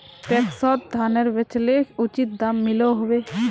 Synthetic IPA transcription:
ʈeksɔt̪̚d̪ʱaneɾbet͡ʃʰleut͡ɕit̪̚d̪amːiloɦɔbe

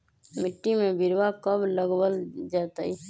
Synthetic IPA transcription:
mɪʈːimẽbɪɾwakəbləɡwəld͡ʒaːt̪aɦi

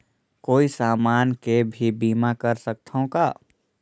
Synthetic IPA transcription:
koːisaːmaːnkebʱibiːmakəɾsək̚t̪ʰõkaː

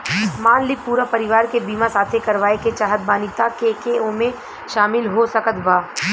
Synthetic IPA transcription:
maːnlɪk̚puːɾapɐɾɪʋaːɾkebiːmasaːt̪ʰekɐɾʋaːeket͡ʃaːɦət̪̚baːnɪt̪akekeõmẽ | ʃaːmɪlɦosɐkət̪ʰbaː

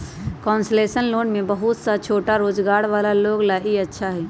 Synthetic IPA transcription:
kɔːnslesənloːnmebəɦut̪sat͡ʃʰoːʈaɾoːd͡ʒɡaːɾʋaːlaloɡlaʔiətːʃʰaɦɛ

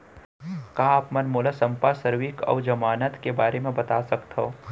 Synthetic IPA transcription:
kaːpmɐnmoːlasɐ̃mpasəɾwɪkɔ̰ːʋd͡ʒɐmaːnət̪kebaːɾemẽbɐt̪asɐkt̪ɦoː

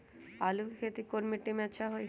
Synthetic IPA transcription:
alukʰet̪ikoɾmiʈːimɛʃʰaɦoj

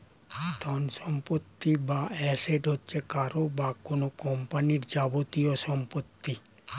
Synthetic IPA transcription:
d̪ʱɔnʃɔmpot̪ːibaɛseʈɦotːɕʰekaɾobakonokɔmpaniɾd͡ʑabot̪ioʃɔmpot̪ːi

